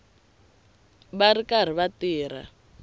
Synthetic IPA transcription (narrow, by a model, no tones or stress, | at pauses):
barikar̤iβatiːɾ̤a̰